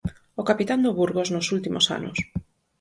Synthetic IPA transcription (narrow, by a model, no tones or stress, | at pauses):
okapit̪and̪oβuɾɣoznʊsult̪imo̰sa̰nʊ̰s